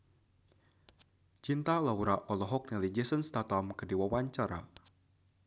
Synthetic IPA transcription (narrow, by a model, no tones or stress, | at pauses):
t͡ʃint̪alawɾaʔɔlɔɦɔk̚nɛlid͡ʒɛsənst̪at̪amkədiwawaɲt͡ʃaɾa̰